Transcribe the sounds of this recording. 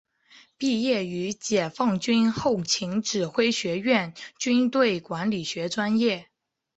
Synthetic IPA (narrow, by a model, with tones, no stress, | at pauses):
pi˥˧jɛ˥˩y˧˥t͡ɕjɛ˨˩fɑ˥˩ŋt͡ɕy˥nxo˥˩ʊt͡ɕʰi˧˥ŋʈ͡ʂɻ̩˨˩xwe˥ɪɕɥɛ˧˥ɥɛ˥˩nt͡ɕy˥nt̪we˥˩ɪkwa˧˥nli˨˩ɕɥɛ˧˥ʈ͡ʂwa˥njɛ˥˩